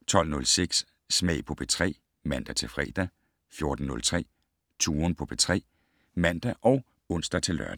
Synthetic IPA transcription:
t͡sʰɒ̽l̰nɔ̽lseɡ̥sː | mɛɪ̰pʰɒ̽b̥et͡sʰʁɛ̰ː | mæn̰d̥æt͡sʰe̝lfʁɛːd̥æ | fjo̝ɐd̥n̩ːɔ̽lt͡sʰʁɛ̰ː | t͡sʰuːɐnpʰɒ̽b̥et͡sʰʁɛ̰ː | mæn̰d̥æʔɒ̽ʊ | ɔ̽n̰sd̥ɐt͡sʰe̝lːɶ̰ɐd̥æ

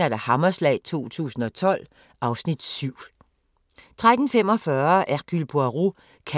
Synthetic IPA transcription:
æɐɾ̥æhɑmɐslɛ̰ɪt͡sʰo̝̰ːt͡sʰṵːsn̩ɒ̽t͡sʰɒ̽l̰ | ɑ̈ʊsnid̥syʊ̰ | t͡sʰʁad̥n̩fem̰ɒ̽fɶɐʔæɡ̥ylb̥oæʁu | kʰ

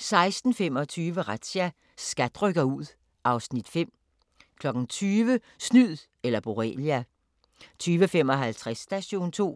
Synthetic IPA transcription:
sɑ̈ɪsd̥n̩femɒ̽t͡sʰyːʋəʁad̥ɕæ | sɡ̥æd̥ʁœɡ̥ɐuð̞̰ˠ | ʔɑ̈ʊsnid̥fem̰ | kʰlɒ̽ɡ̥n̩t͡sʰyːʋə | snyð̰ˠ | elɐb̥o̝ʁɛ̰ljæ | t͡sʰyːʋəfem̰ɒ̽ɦælt͡sʰʁasːd̥æɕo̝̰ːnt͡sʰo̝̰ː

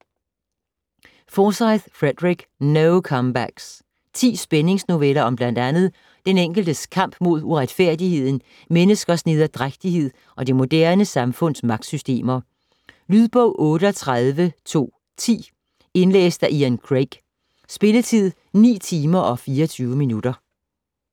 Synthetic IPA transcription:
fɒːsɑɪð̥fʁed̥ʁiɡ̥noʊkʰɒmb̥æɡ̥s | t͡sʰḭːsb̥ene̝ŋsno̝ʋelɐɒ̽mb̥læn̰d̥ænð̞̩ˠ | d̥eneŋ̰ɡ̥l̩d̥əskʰɑ̈m̰b̥mo̝ð̞ˠuʁad̥fæɐ̰d̥ihe̝ð̞̰ˠn̩ | menəsɡ̥ɐsnið̞ˠɐd̥ʁaɡ̥d̥ihe̝ð̞̰ˠ | ʔɒ̽d̥imo̝d̥æɐnəsɑ̈mfɔ̽n̰smɑ̈ɡ̥̚d̥sysd̥e̝̰ːmɐ | lyðˠb̥ɔʊ̰ʔɔ̽ːɾəɒt͡sʰʁaðˠʋət͡sʰo̝̰ː | t͡sʰḭː | e̝nlḛːsd̥æʔiænkʰʁeɡ̥ | sb̥e̝lət͡sʰið̞̰ˠ | nḭːt͡sʰiːmɐʔɒ̽fiːɒt͡sʰyːʊəminud̥ɐ

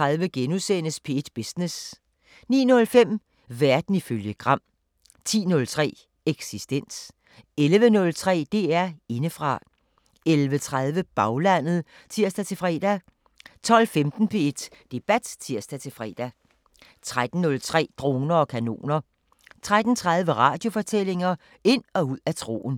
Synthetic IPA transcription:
ʁaðˠʋəɡ̥enusenəspʰe̝e̝d̥b̥esnes | nḭːnɔ̽lfem̰ | ʋæɐd̥n̩iføljəɡ̥ʁɑ̈m̰ | t͡sʰḭːnɔ̽lt͡sʰʁɛ̰ː | eɡ̥sisd̥en̰s | elʋənɔ̽lt͡sʰʁɛ̰ːd̥e̝æɐe̝nəfʁɑ̈ | elʋət͡sʰʁað̞ˠʋəb̥ɑ̈ʊlæn̰ð̩ˠ | t͡sʰiɐ̰sd̥æt͡sʰe̝lfʁɛ̰ːd̥æ | t͡sʰɒ̽l̰femd̥n̩pʰe̝e̝d̥d̥e̝b̥æd̥t͡sʰiɐ̰sd̥æt͡sʰe̝fʁɛ̰ːd̥æ | t͡sʰʁad̥n̩ːɔ̽lt͡sʰʁɛ̰ːd̥ʁo̝ːnɐɒ̽kʰæno̝̰ːnɐ | t͡sʰʁad̥n̩t͡sʰʁɑ̈ð̞ˠʋəʁɑ̰̈ːd̥jo̝fɒ̽t͡sʰele̝ŋɐ | e̝n̰ɒ̽uð̰ˠæt͡sʰʁo̝̰ːn̩

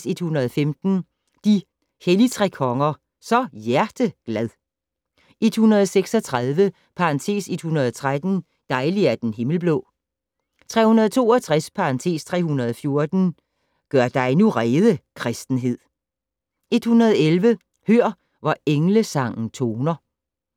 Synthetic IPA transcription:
se̝d̥hunɐðˠfemd̥n̩ | d̥i | helit͡sʰʁɛ̰ːkʰɒ̽ŋɐ | sɒ̽jæɐd̥əɡ̥læð̞ˠ | e̝d̥hunʁɐð̞ˠseɡ̥sɒ̽t͡sʰʁaðˠʋə | pʰɑ̈ʁɑ̈nt͡sʰe̝̰ːse̝d̥hunɐð̞ˠt͡sʰʁad̥n̩ | d̥ɑ̈ɪliæd̥enɦe̝ml̩b̥lɔ̰ | t͡sʰʁɛ̰ːhunɐð̞ˠt͡sʰo̝̰ːɒt͡sʰʁaspʰɑ̈ʁɑ̈nt͡sʰe̝̰ːst͡sʰʁɛ̰ːhunɐð̞ˠɒfjo̝ɐd̥n̩ | ɡ̥ɶɐ̰d̥ɑ̈enuʁɛːðˠəkʰʁɛsd̥n̩ɦe̝ð̞̰ˠ | e̝d̥hunʁɐð̞ˠelʋə | høɐ̰ | ʋɑeŋləsɑ̈ŋ̰n̩t͡sʰo̝ːnɐ

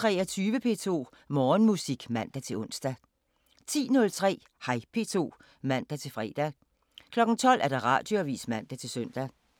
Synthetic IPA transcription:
t͡sʰʁɛːɐt͡sʰyːʋəpʰe̝̰t͡sʰo̝̰ː | mɒːnmusiɡ̥mæn̰d̥æt͡sʰe̝lɔ̽n̰sd̥æ | t͡sʰḭːnɔ̽lt͡sʰʁɛ̰ː | hɑ̈ɪpʰe̝̰ːt͡sʰo̝̰ː | mæn̰d̥æt͡sʰe̝lfʁɛ̰ːd̥æ | kʰlɒ̽ɡ̥n̩t͡sʰɒ̽l̰æɐd̥ɑ̈ʁɑ̰̈ːd̥joæʋḭːsmæn̰d̥æt͡sʰe̝lsøn̰d̥æ

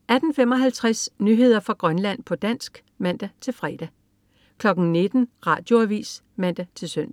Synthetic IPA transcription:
æd̥n̩fem̰ɒ̽ɦælt͡sʰʁasnyɦe̝ð̞̰ˠɐfʁɑ̈ɡ̥ʁɶnlæn̰pʰɒ̽d̥æn̰sɡ̥ | mæn̰d̥æt͡sʰe̝lfʁɛd̥æ | kʰlɒ̽ɡ̥n̩ne̝d̥n̩ʁɑ̈ːd̥jo̝æʋḭːs | mæn̰d̥æt͡sʰe̝lsøn̰

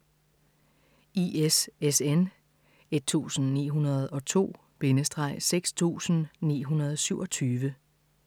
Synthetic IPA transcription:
iesesen | e̝d̥̚t͡sʰṵːsn̩nḭːɦunɐð̩ˠɒ̽t͡sʰo̝̰ː | b̥e̝nəsd̥ʁɑ̈ɪ̰seɡ̥st͡sʰṵːsn̩nḭːɦunɐð̞ˠsyʊ̰ɒ̽t͡sʰyːʋə

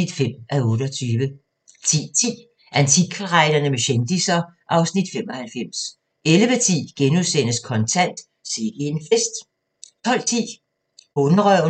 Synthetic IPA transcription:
id̥fem̰ʔæɔ̽ːɾ̥əɒt͡sʰyːʋə | t͡sʰḭːt͡sʰḭː | ʔænt͡sʰikʰɑʁɑ̈ɪd̥ɐnəmeɕend̥isɐ | ʔɑ̈ʊsnid̥femɒhælfem̰s | elʋət͡sʰḭːɡ̥enusen̰əskʰɒ̽nt͡sʰæn̰d̥ | se̝ɡ̥enfesd̥ | t͡sʰɒ̽l̰t͡sʰḭː | b̥oːnɐʁœʊ

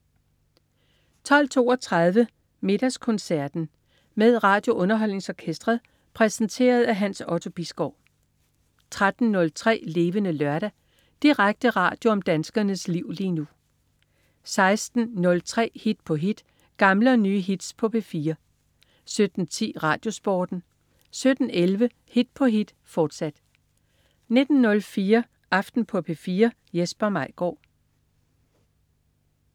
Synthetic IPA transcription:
t͡sʰɒ̽l̰t͡sʰo̝̰ːɒt͡sʰʁɑð̞ˠʋə | me̝ɾ̥æskʰɔ̽nsæɐd̥n̩ | meðˠʁɑ̈ːd̥jo̝ʔɔ̽nɐɦɒ̽l̰ne̝ŋsɒkʰesd̥ʁɐðˠ | pʰʁɛsn̩t͡sʰe̝̰ːɐð̞̩ˠæɦænsɒ̽t͡sʰo̝b̥isɡ̥ɒʊ̰ | t͡sʰʁad̥n̩ːɔ̽lt͡sʰʁɛ̰ːle̝ːʋənəlɶɐɾæ | d̥iʁaɡ̥̚d̥əʁɑ̰̈ːd̥jo̝ɒ̽md̥ænsɡ̥ɐnəsliʊ̰liːnu | sɑ̈ɪsd̥n̩nɔ̽lt͡sʰʁɛ̰ːhid̥pʰɒ̽ɦid̥ | ɡ̥ɑ̈mləɒ̽nyːɦid̥spʰɒ̽pʰe̝fiːɐ | sød̥n̩t͡sʰḭːʁɑ̰̈ːd̥jo̝sb̥ɒːd̥n̩ | sød̥n̩elʋə | hid̥pʰɒ̽ɦid̥ | fɒːd̥sæd̥ | ne̝d̥n̩ːɔ̽lfiːɐ | ʔɑ̈fd̥n̩pʰɒ̽pʰe̝fiːɐ | jesb̥ɐmɑ̈ɪ̰ɡ̥ɒ̰ː

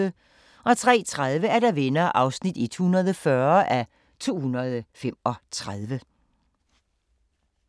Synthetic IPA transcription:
ə | ʔɒ̽t͡sʰʁɛ̰ːt͡sʰʁaðˠʋəæɐɾæʋenɐːʔɑ̈ʊsnid̥e̝d̥hunɐð̞̩ˠəfɶɐʔæ | t͡sʰo̝̰ːhunɐð̞ˠfem̰ɒ̽t͡sʰʁaðˠʋə

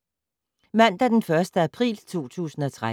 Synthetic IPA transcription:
mæn̰d̥æɐd̥enfɶɐsd̥əæpʰʁḭːlt͡sʰo̝̰ːt͡sʰṵːsn̩ɒ̽t͡sʰʁa

